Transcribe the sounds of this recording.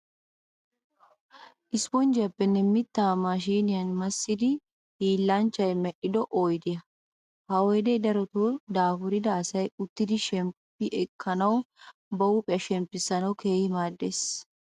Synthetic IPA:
ʔɪspɔnd͡ʒɪjɐpːɛnːɛmɪt̪ːaːmaːʃ̬iːnɪjɐnmɐsːɪd̪ɪ | hiːlːant͡ʃːɐjmɛʔɪd̪ɔʔɔjd̪ɪjɐ | hɐɔjd̪ɛjd̪ɐɾɔt̪oːd̪aːfʊɾɪd̪ɐːsɐjʊt̪ːɪd̪ɪʃɛmpːɪʔɛkʰːɐnɐwbɐwʊpʼɪjɐʃɛmpːɪsːɐnɐwke̞ːhɪmaːd̪ːes

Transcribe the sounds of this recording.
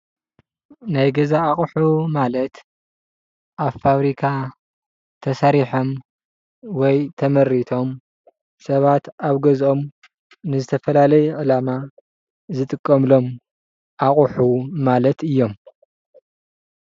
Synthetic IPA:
najɡɐzaːχʼħumalɐt̪ | ʔaβfaβɾikʰa | t̪ʰɐsɐɾiħom | wɔjt̪ʰɐmɐɾːit̪ʰo̞m | sɐβat̪aβɡɐzo̞m | nɨzɨt̪ʰɐfɐlalɐjɛʕɨlama | zɨt̪ʼɨkʼːɐmlo̞m | ʔaχʼħumalɐt̪ɨjːo̞m

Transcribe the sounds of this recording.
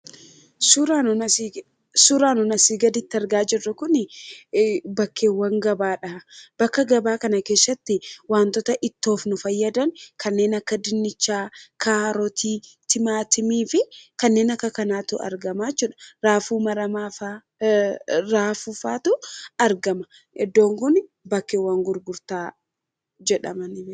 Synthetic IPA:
suɾanɔɐ | suɾaːnɔnɐsiːɡɐd̪ɪt̪ːɪɐɾɡaːd͡ʒɪrːɐkʊnɪ | bɐkʰːe̞ːwːɐŋɡɐbaːᶑɐb̥ɐkːɐɡɐbaːkɐnɐke̞ːsːɐt̪ːɪwaːnt̪ɔt̪ɐʔɪt̪ːo̞ːfnʊfɐjːɐd̪ɐŋkʰɐnːe̞ːnɐkːɐd̪ɪnːɪt͡ʃːaːkʰaːɾɔt̪iːt̪ɪmaːt̪ɪmiːfɪkɐnːe̞ːnɐkːɐkɐnaːt̪ʊʔɐ̰ɾɡɐmaːt͡ʃːuːᶑɐ̥ɾaːfuːmɐɾɐmaːfa | ɾaːfufaːt̪ʊɐɾɡɐmɐ | ʔɛd̪ːo̞ːŋɡʊn | bɐkːeːwːɐŋɡʊɾɡʊɾt̪aː | d͡ʒɛᶑɐ̰mɐnɪm

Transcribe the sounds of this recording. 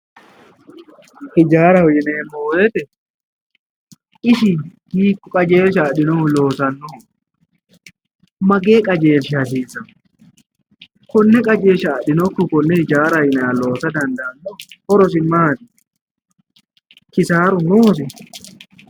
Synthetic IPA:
hɪd͡ʒaːɾɐwɔjɪneːmːowweːt̪ɛ | ʔɪʃɪhiːkːʊkʼɐd͡ʒeːʃ̬aːɗɪnɔlo̞ːsɐnːoː | mɐɡe̞ːkʼɐd͡ʒe̞ːfʃɪɐs̬iːsɐn | kɔnːɛkʼɐd͡ʒeːʃɐːɗɪnɔkːʊkɔnːɛhɪd͡ʒaːɾɐjɪnɐalo̞ːsɐd̪ɐnd̪ɐːnːɔhɔɾɔs̬ɪmaːd̪ɪ | kɪsaːɾʊnoːs̬ɪ

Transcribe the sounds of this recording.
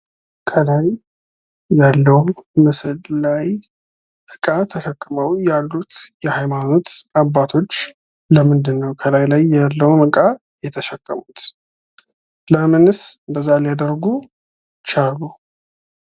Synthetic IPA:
kʰəlajː | alːəwmɨsɨllaj | ɨkʼat̪ʰəʃəkʼːɨməwjalːut̪jɛhajmano̞t̪abːat̪ʰo̞t͡ʃː | ləmɨnd̪ɨnːəwkʰəlajlajːalːəwnɨkʼa | jɛt̪ʰəʃəkʼːəmut̪ | ləmɨnɨsnb̪əzːalijad̪ərɡu | t͡ʃaɾɡu

